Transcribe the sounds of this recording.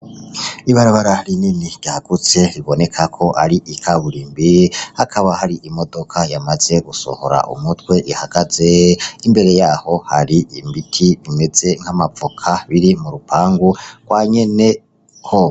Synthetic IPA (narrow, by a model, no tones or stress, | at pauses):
iβaɾaβaɾaɾininiɟ̥jaɡut͡se̞ɾiβo̞ne̞kʰakʰo̞ʔaɾiʔikʰaβuɾiːmbihakʰaβahaɾiʔimo̞do̞kʰajamaz̥e̞ɡuso̰ho̞̰ɾa̰ʔṵmutwe̞ʔihaɡ̥az̥e̞imbe̞ɾe̞jaːho̞haɾiimbitʰiβime̞z̥e̞ŋhamafukʰaβiɾimuɾupʰaːŋɡuɡ̥waɲe̞ne̞ | kʰo